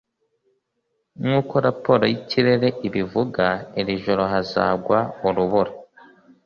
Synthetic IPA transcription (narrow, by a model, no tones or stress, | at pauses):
ŋuːko̞ɾapoɾojiciɾeɾeʔiβivuɡaeɾiʒoɾo̞ɦaza̰ːɡwauɾuβuɾa